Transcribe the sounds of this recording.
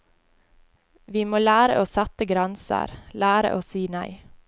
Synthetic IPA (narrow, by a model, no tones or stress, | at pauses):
ʋiːmoːlæːɾə̰ʔoːsæt̪əɡɾɛnsə̰ɾlæːɾə̰ʔoːsiːnæɪ